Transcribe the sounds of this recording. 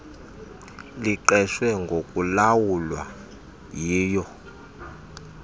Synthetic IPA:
liǃɛʃwɛŋɡʱokʼulawulwa̰ | jiːjɔ

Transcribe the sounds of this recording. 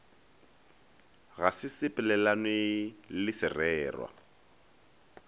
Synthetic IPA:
ɣasɪsɪpʼɪlɛlanɪlɪsɪrɛːrwa̰

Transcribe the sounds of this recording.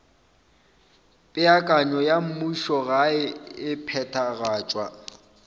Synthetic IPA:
pʼɪakʼaɲɔjam̩muʃɔɣaɪɪpʰɛtʰaɣaːt͡ʃʼwa

